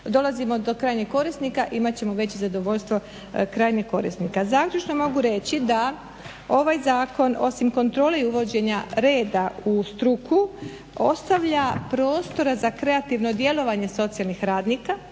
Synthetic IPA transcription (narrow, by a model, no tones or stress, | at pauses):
d̪o̞lˠazimo̞d̪okɾaːjneko̞ɾisnikaʔimat͡ɕe̞mo̞ʋe̞t͡ɕezad̪o̞ʋo̞ʎʲst̪ʋo̞ | kɾaːjneko̞ɾḭsnikazaːkʎʲut͡ʃno̞mo̞ɡuɾe̞t͡ɕid̪a | o̞ʋajzaːko̞no̞̰simko̞nt̪ɾo̞ːle̞iuʋo̞d͡ʑe̞ɲaɾe̞ːd̪aust̪ɾukʰu | o̞st̪aʋʎapɾo̞ːst̪o̞ɾazakɾe̞at̪iʋno̞d̪je̞lo̞ʋaɲe̞so̞t̪sijalnixɾaːd̪niːka